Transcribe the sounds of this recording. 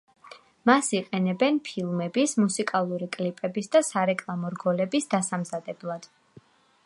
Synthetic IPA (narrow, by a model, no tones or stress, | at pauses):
masiqʼɛnɛbɛnpʰilˠmɛbismusikʼalˠuɾikʼlipʼɛbisd̪asaɾɛkʼlˠamɔɾɡɔlɛbisd̪asamzad̪ɛblˠad̪̥